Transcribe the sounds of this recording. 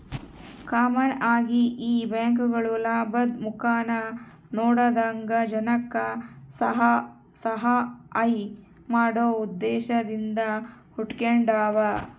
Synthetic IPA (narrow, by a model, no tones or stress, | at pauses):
kaːmɐnaːɡiʔiːbaːŋkuɡɐɭulaːbɐd̪mukaːnɐ | nɔːɽɐd̪aːŋɡɐd͡ʒɐnɐkːɐsɐɦɐ | sɐɦɐɐj | maːɽoːud̪ːɛːʃɐd̪ind̪ɐ | huʈkeɳɖaːʋɐ